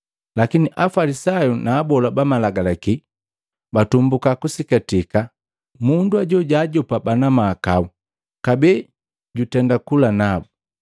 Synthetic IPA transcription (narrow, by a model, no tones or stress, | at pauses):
lakiniʔafalisajunaːbɔlabamalaɡalaki | batumbukakusikatika | munduaɟɔɟaːɟɔpabanamaːkau | kabɛː | ɟutɛndakulanabu